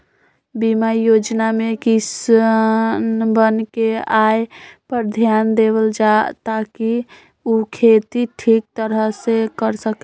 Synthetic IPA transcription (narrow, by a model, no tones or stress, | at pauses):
bimajod͡ʒnamekis | nbənkeajpəɾd̪ʱjand̪eβəld͡ʒat̪aki | ukʰet̪iʈʰik̚t̪əɾəɦsekəɾsək